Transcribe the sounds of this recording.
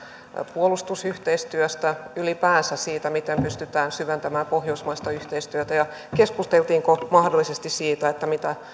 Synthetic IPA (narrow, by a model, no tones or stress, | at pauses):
puolust̪usyht̪eist̪yøst̪æylipæːnsæsiːt̪æmit̪empyst̪yt̪æːnsyʋent̪æmæːpohjoismɑist̪ɑyht̪eist̪yøt̪æjɑ | keskust̪elt̪iːŋkomɑhdolːˑisest̪issiːt̪æet̪ːæmit̪æ